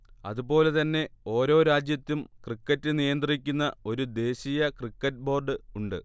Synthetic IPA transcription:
ɐ̰ðubo̞ːle̞t̪ɐnːe̞o̞ːɾo̞ːɾaːd͡ʑjɐt̪ːumkrikːɐtːɨnijɐnd̪rik̬ʲːunːɐo̞ɾud̪e̞ːɕijɐkrikːɐt̚ːbo̞ːrɖɨuɳɖɨ

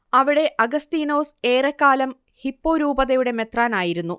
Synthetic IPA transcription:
ɐʋiɽe̞ʔɐɡɐst̪iːno̞ːseːrɐkːaːlɐm | hipːoːɾuːbɐðɐjuɽe̞me̞t̪raːnaːjiɾunːu

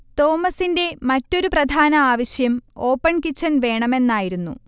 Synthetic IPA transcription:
t̪o̞ːmɐsinde̞mɐtːo̞ɾuprɐd̪ʱaːnɐaːʋɐɕjɐmo̞ːpːɐɳkit͡ɕːɐnʋe̞ːɳɐme̞nːaːjiɾunːṵ

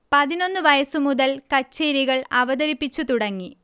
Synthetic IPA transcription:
pɐðino̞nːɨʋɐjɐsumuðɐlkɐt͡ɕːeːɾiɣɐɭɐʋɐðɐɾipːit͡ɕːut̪uɽɐŋːi

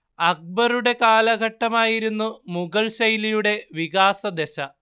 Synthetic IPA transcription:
ɐk̚bɐɾuɽe̞kaːlɐɡʱɐʈːɐmaːjiɾunːumuɡɐɭɕɐjlijuɽe̞ʋiɣaːsɐd̪eɕɐ

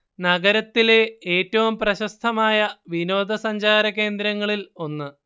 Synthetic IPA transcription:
nɐɡɐɾɐt̪ːile̞eːtːɐʋumprɐɕɐst̪ʰɐmaːjɐʋino̞ːd̪ʱɐsɐɲd͡ʑaːɾɐke̞ːnd̪ɾɐŋːɐɭilo̞nːɨ

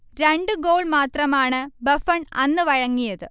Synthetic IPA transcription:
ɾe̞ɳɖɨɡoːɭmaːt̪rɐmaːɳɨbɐfɐɳɐnːɨʋɐɻɐŋːijɐðɨ

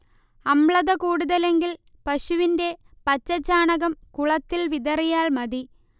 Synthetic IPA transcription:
ɐmɭɐðɐkuːɽuðɐle̞ŋɡil | pɐɕuʋinde̞ | pɐt͡ɕːɐt͡ɕːaːɳɐɣɐmkuɭɐt̪ːilʋiðɐrijaːɭmɐði

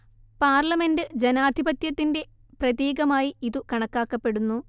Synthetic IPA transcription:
paːrlɐme̞ndɨd͡ʑenaːd̪ʱibɐt̪jɐt̪ːinde̞ | prɐðjiːɡɐmaːjiiðukɐɳɐkːaːkːɐpːe̞ɽunːu

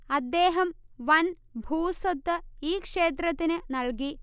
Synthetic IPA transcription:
ɐd̪ːe̞ːɦɐmʋɐn | bʱuːsot̪ːɨiːkʂe̞ːt̪rɐt̪ːinɨnɐɭki

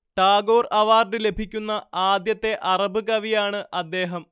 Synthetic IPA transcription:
ʈaːɡo̞ːrɐʋaːrɖɨle̞bʱikʲːunːɐaːd̪jɐt̪ːe̞ʔɐrɐbɨkɐʋijaːɳɨʔɐd̪ːe̞ːɦɐm

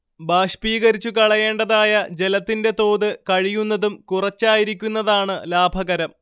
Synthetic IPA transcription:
baːʂpiːɣɐɾit͡ɕːukɐɭɐje̞ːɳɖɐðaːjɐd͡ʑe̞lɐt̪ːinde̞t̪o̞ːðɨkɐɻijunːɐðumkurɐt͡ɕːaːjiɾik̬ʲːunːɐðaːɳɨlaːbʱɐɣɐɾɐm

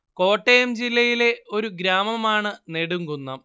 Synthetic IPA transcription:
ko̞ːʈːejɐmd͡ʑilːɐjile̞o̞ɾuɡɾaːmɐmaːɳɨneɽuŋɡunːɐ

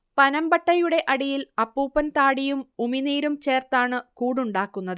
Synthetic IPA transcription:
pɐnɐmbɐʈːɐjuɽe̞ʔɐɽijilɐpːuːpːɐnt̪aːɽijumuminiːɾumt͡ɕe̞ːrt̪aːɳɨkuːɽuɳɖaːkːunːɐðɨ

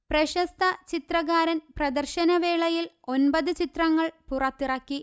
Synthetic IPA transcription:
prɐɕɐst̪ʰɐt͡ɕit̪rɐɣaːɾɐnprɐd̪ɐrɕɐnɐʋeːɭɐjil | o̞nbɐðɨt͡ɕit̪rɐŋːɐɭpurɐt̪ːirɐkːi

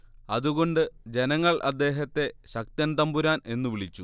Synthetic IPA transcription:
ɐðuɣo̞ɳɖɨd͡ʑe̞nɐŋːɐɭʔɐ̰d̪ːe̞ːɦɐt̪ːe̞ɕɐk̚t̪ɐnt̪ɐmbuɾaːne̞nːuʋiɭit͡ɕːu

